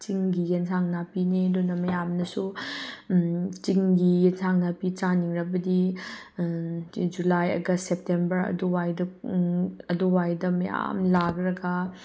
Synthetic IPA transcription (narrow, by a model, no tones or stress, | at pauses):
t͡ʃiŋɡijensʰaŋnapineɐdunɐmɐjamnɐsu | t͡ʃiŋɡiensʰaŋnapit͡ʃaniŋɾɐbɐdi | d͡ʒulajɐ̰ɡɐssep̚tembɐɾɐ̰duwajdɐ | ɐduwajdɐmɐ̰ja̰mlakɾɐɡɐ